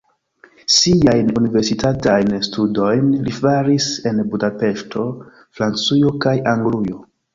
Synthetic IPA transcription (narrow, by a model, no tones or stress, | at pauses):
siajnunive̞ɾsitatajnstʰudo̞jnlifaɾise̞nbudape̞ʃtʰo̞ | fɾant͡sujo̞kajaŋɡlujo̞